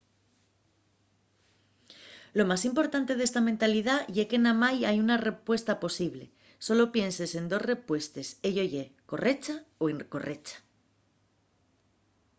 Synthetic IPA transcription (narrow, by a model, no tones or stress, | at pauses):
lo̞masimpo̞ɾt̪ant̪e̞ð̞e̞st̪ament̪alið̞aʝeke̞namajajunare̞pwe̞st̪apo̞siβ̞le̞̰ | so̞lo̞pje̞nse̞se̞nd̪o̞sre̞pwe̞st̪e̞se̞ʝo̞ʝeko̞re̞t͡ʃaoeŋko̞̰re̞t͡ʃḁ